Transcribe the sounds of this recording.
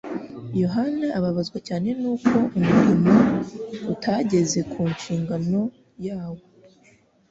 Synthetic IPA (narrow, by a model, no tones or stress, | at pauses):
jo̞ɦanaʔaβaβazɡwacaːne̞nuːkʰo̞ʔumuɾimautʰaɟe̞ze̞kʰuːnʃiːŋɡano̞ | jaːwo̞